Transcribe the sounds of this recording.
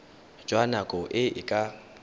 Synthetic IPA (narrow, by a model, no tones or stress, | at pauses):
d͡ʒʼwanakʼɔʔɪɪkʼa